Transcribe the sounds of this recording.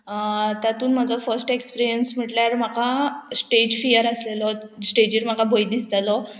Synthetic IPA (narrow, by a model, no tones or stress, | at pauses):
t̪jat̪uːnm̤ad͡zɔfəɾsʈekspiɾijənsm̤əʈljaɾm̤akasʈed͡ʑfijəɾəslelɔ | sʈed͡ʑiɾm̤akabʱojd̪ist̪alɔ